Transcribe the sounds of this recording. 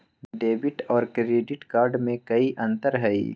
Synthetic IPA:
ɖeːbɪʈɔːɾkɾeːɖɪʈkaːɾɖmẽkɐiʔɐ̃nt̪əɾɦɐḭː

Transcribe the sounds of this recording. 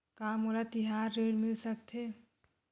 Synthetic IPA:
kaːmoːɾat̪ɪɦaːɾːeːɽmɪlsɐkt̪ʰeː

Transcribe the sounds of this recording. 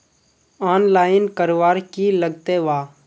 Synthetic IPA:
aːnlaːɪnkəɾoʋaːɾkiləɡ̚t̪eʋaː

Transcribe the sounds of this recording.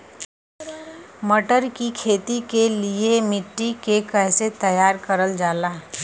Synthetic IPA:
məʈəɾkikʰeːt̪ikeliemɪʈːikekɛːset̪əjaːɾkəɾəld͡ʒaːlaː

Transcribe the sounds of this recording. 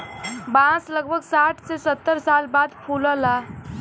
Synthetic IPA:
bãsləɡ̚bʱəɡsaːʈʰsesət̪ːəɾsaːlbaːd̪pʰuləlaː

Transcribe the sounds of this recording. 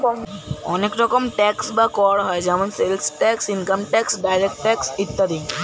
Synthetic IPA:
ɔ̰nekɾɔkomʈɛksbakɔɽɦɔed͡ʑɛmonselsʈɛksiŋkamʈɛksɖajɾek̚ʈʈɛksit̪ːad̪iŋ

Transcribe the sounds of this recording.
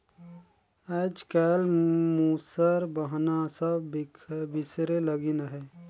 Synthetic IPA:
ɛːd͡ʒkɛːlmusəɾbəɦnasəbbɪsɾeləɡinaɦɛː

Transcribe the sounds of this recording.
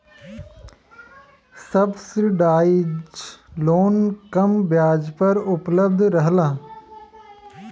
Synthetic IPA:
səbsəɖaːɪd͡ʒloːnkɐmbjaːd͡ʒpəɾʊpləb̚d̪ʱɾəɦlaː

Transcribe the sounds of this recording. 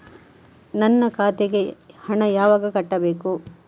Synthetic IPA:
nɐnːɐkʰaːt̪eɡe̞hɐɳɐjaːʋɐɡɐkɐʈːɐbeːku

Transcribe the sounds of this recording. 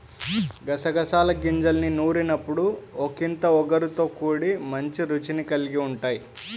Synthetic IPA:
ɡɐsɐɡɐsaːlɐɡiɲd͡ʒɐlninuːɾinɐpːuɽuokint̪ɐɔɡɐɾut̪o̞ːkuːɽimɐɲt͡ʃiɾut͡ʃinikɐliɡiuɳʈaːji

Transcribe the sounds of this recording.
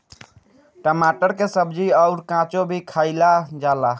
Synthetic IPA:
ʈəmaʈəɾkesəbd͡ʒiəʊɾkãt͡ʃobʱikʰaɪlad͡ʒala

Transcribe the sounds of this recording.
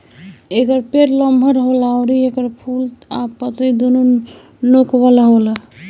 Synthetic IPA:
ekəɾpeɾləmbʱəɾɦolaʊɾiekəɾpʰult̪apət̪əid̪onu | nokʋəlɦolə

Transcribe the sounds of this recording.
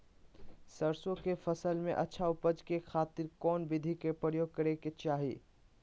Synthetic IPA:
sɐɾsõkefɐsəlmḛ̃ʔɐtːʃʰaʊpəd͡ʒkexaːt̪ɪɾkɔːnbɪd̪ʱikepɾəjoːɡ̚kɐɾeket͡ʃaːɦḭ

